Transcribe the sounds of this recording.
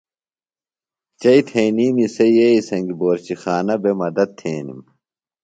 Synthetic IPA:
t͡ɕɐit̪ʰeːniːmisɐjjeisɐŋɡiboːɾt͡ɕixaːnɐbemɐd̪ɐt̪̚t̪ʰːeːnḭm

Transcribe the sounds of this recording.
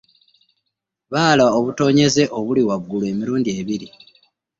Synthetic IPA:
βaːlaoβuto̞ːɲe̞ze̞ʔo̞βuliwaɡːulweːmiɾuːndie̞βiɾi

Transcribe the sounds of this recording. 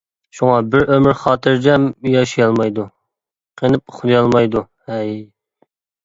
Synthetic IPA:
ʃuŋɑbɪɾømɪɾχɑːt̪ʰɨɾd͡ʒɛmjɑʃijɑlˠmɑjd̪u | qʰənɪp̚χʊd̪ɨjɑlˠmɑjd̪u | hɛj

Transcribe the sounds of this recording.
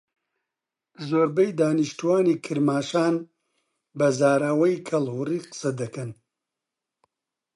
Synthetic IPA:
zoːɾbɐjd̪aːniʃt̪uwaːniːkʰɨɾmaːʃaːn | bɐzaːɾawɐjkʰɐlhuriːqɨ̥sɐd̪ɐkɐn

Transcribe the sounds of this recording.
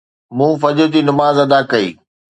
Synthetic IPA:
mũːfɐd͡ʑʊt̪iːnɐmaːzɐd̪aːkɐḭː

